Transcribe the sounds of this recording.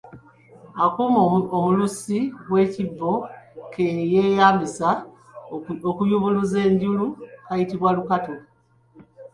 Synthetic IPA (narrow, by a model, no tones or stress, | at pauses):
akumoomulusiβwe̞ːcivːo̞kʰejejaːmbisa | okujuβuluze̞ːɲɟulukajitiβwalukato̞